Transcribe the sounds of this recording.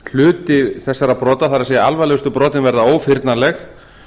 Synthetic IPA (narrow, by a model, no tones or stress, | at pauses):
l̥ʏːt̪ɪθɛsːaɾapɾɔːt̪aθaɾaseːjaalvajlɛʏst̪ʏpɾɔːt̪ɪnvɛɾðaoːwfɪɾt̪nalɛx